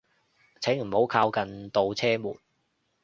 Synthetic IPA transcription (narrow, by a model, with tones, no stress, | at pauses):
t͡sʰɛ˨˥ŋm̩˨˩ho˨˥wkʰaː˧wkɐ˨nt̪o˨˧wt͡sʰɛː˥mṵː˨˩t̚